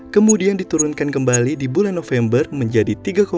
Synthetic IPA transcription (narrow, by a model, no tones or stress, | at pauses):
kəmudiandit̪uɾunkankəmbalidibulanːofɛmbərməɲd͡ʒadit̪iɡako